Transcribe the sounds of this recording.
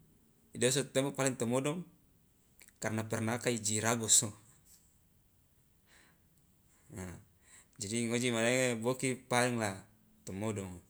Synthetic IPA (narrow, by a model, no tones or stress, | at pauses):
idɔs̬ɔt̪ɛmapalɛŋt̪ɔmɔdɔŋ | karnapɛrnakaid͡ʒiɾaɡɔso | a | d͡ʒadiŋod͡ʒimadeŋebokipalɛŋla | t̪ɔmɔdɔŋ